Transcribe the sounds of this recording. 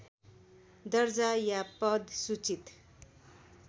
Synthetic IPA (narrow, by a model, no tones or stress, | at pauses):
d̪ʌrd͡zajapʌd̪sut͡sit̪